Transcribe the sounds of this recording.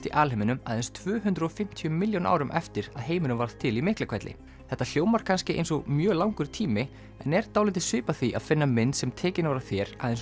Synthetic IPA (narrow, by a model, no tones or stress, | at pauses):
t̪iʔaːlhemɪnʏma̰ðɛnst̪ʰvʏːɦʏnt̪ɾɔfɪm̥t̪ʰiʏmɪljowna̰ːwɾʏmʔɛft̪ɪɾaðɦeːjmɪnʏmvaɾð̥t̪ʰɪlimɪhklakʰvɛjt̪lɪ̰ | θɛht̪ːal̥joːwmaɾ̥kʰanscɪʔḛjnsɔɣmjœːlaːwŋkʏɾt̪ʰiːmɪ | ɛnɛɾ̥t̪awlɪt̪ɪsʏːpaθiʔa̰ðfɪnːamɪnːsɛmt̪ʰɛːcɪnaɾaθjɛɾ̥a̰ðɛns